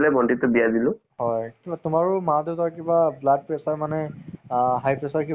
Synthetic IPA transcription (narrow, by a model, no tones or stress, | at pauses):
lɛbɔntitʊbijadilʊ̃ | hɔjkbatʊmaɹʊmadetɔakibablaɡ̚pɹɛsaɹmanɛ | ɦajpɹɛsaɹki